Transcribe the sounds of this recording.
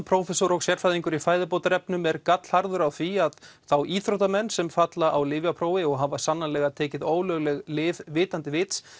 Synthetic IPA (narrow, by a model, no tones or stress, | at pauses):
pʰɾowfɛsɔɾɔɣsjɛɾ̥fajðiŋkʏɾifaːjðɪpowt̪aɾɛpnʏmɛɾkat̪l̥haɾðʏɾawθviaðθawiːθɾowt̪amɛnːsɛmfat̪laʔawlɪːvjapʰɾoːwɪɔɣɦavasanːanlɛːɣat̪ʰɛːcɪðoːwlœɣlɛɣlɪːvvɪːt̪ant̪ɪvɪːt̪s